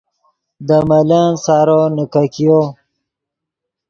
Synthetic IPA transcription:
d̪əmalansaɾonəkakijo

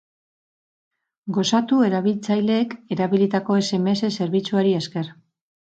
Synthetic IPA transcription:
ɡo̞sat̪ue̞ɾaβilt͡sajle̞ːke̞ɾaβilit̪ako̞e̞se̞meese̞se̞ɾβit͡suaɾieske̞ɾ

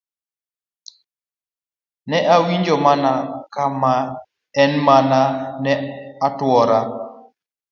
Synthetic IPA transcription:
nɛʔawiɲd͡ʒɔmanakama | ɛnmananɛatwɔɾa

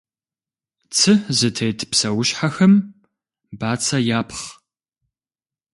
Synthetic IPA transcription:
t͡sʰɨzɨtʰejtʰpsɐwʊʃħaxɐm | baːt͡sʰɐjaːpʰχ

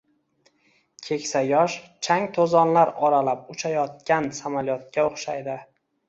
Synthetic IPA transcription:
kʲʰe̞kʲsajɒʃt͡ʃʰaŋt̪ʰozɒnlaɾɒɾalap̚ʊt͡ʃʰajɒt̪̚kʲansamalijɒt̪̚kʲaoχʃajd̪ɪ

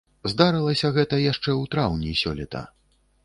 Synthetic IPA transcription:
zd̪aɾɨlˠɐsʲɐɣɛt̪ɐjaʂt͡ʂɛwt̪ɾawnʲisʲɔlʲɛt̪ɐ̰

